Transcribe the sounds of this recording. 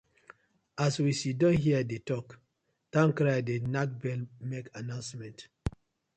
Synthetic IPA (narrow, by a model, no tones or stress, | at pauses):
ʔaswisidɔ̃nɦiədetɔk | tãŋkɾajdenak̚bɛlmekanãʊ̃nsmɛ̃nt